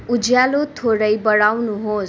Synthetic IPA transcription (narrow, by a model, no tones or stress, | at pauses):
ud͡zjalot̪ʰoɽʌjbʌɽawnuɦos